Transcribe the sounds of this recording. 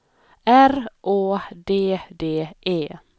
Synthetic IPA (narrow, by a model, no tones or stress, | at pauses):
æɾʔoːd̪eːd̪eːʔeː